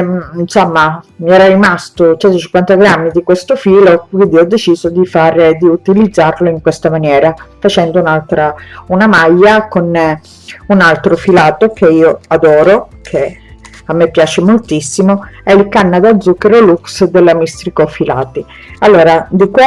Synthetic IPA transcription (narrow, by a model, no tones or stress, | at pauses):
insomːamiɛːɾarimast̪ot͡ʃɛnt̪ot͡ʃiŋkwant̪aɡɾamːid̪ikwest̪ofiːlowind̪iɔd̪ːet͡ʃiːzod̪ifaːɾed̪iut̪ilid̪zːarloiŋkwest̪amanjɛːɾafat͡ʃɛnd̪ounalt̪ɾaunamajːakon | unalt̪ɾofilaːt̪okʰeiːoad̪ɔːɾokʰe | amːepːjaːt͡ʃemolt̪isːimoɛilkanːad̪ad̪zːukːeɾoluksd̪elːamist̪ɾikofila̰ːt̪i | alːoːɾad̪ikw